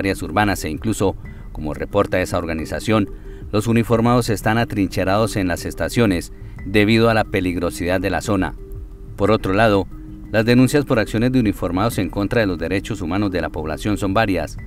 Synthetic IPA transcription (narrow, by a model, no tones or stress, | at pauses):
ɾjasuɾbanase̞iŋkluso̞ | ko̞mo̞̰re̞po̞ɾt̪ae̞sao̞ɾɣanisasjo̞n | lo̞sunifo̞ɾmaðo̞se̞st̪anat̪ɾint͡ʃe̞ɾaðo̞se̞nlase̞st̪asjo̞ne̞s | d̪e̞βiðoalape̞liɣɾo̞siðaðːe̞laso̞na̰ | po̞ɾo̞t̪ɾo̞laðo̞ | lazd̪e̞nũnsjaspo̞ɾaksjo̞ne̞zd̪eunifo̞ɾmaðo̞se̞ŋko̞nt̪ɾaðe̞lo̞zd̪e̞ɾe̞t͡ʃo̞sumano̞zd̪e̞lapo̞βla̰sjo̞nso̞mbaɾjas